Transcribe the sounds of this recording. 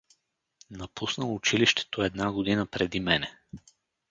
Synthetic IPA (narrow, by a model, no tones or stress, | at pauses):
nɐpusnəlˠʊt͡ʃiliʃt̪ɛ̥t̪oɛd̪naɡod̪inəpɾɛd̪imɛnɛ